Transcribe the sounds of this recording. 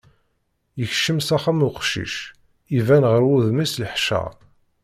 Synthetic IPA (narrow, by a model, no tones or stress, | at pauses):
jəçʃəmsæχamuqʃḭʃ | ivænʁəɾuðmisləħʃæ̰